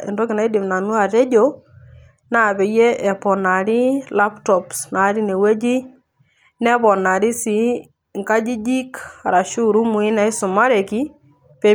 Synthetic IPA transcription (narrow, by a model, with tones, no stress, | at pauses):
ḛ˨ndɔ˦kɪ˨na˦i˦dɪ˨mna˨nu˦a˨tɛ˦d͡ʒo˦ | na˦˨be˨je˦ʔɛ˨pɔ˨na˨ɾi˦la˦ptɔ˨psna˨˦ɾi˦ne˨we˦d͡ʒi˦ | nɛ˦bɔ˨na˨ɾi˦si˨˦ | ŋka˦d͡ʒi˦d͡ʒi˦ka̰˨ɾa˨ʃu˦ɾu˦mu˨i˦na˦i˦sʊ˨ma˦ɾe˨ki˦ | pe˨˦